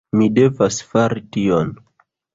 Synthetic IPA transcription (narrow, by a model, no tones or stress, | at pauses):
mide̞vasfaɾition